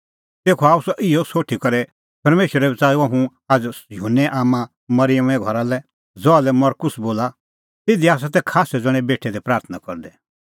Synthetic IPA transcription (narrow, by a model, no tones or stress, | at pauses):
t̪eːkʰɔaːusɔʔɪɔsoːʈʰikɔɾɛ | pɐɾmeːʃwəɾɛbɛt͡saːuaɦũ | ad͡zjʊɦunːɛʔaːmã | mɐɾɪjəmɛ̃ɡʱɔɾalɛ | d͡zɔalɛmɐɾkʊsboːla | t̪ɪd̪iaːs̬at̪ɛkʰaːsɛd͡zɐɽ̃ɛ̃beːʈʰːɛd̪ɛpɾaːɾt̪ʰənakɔɾd̪ɛ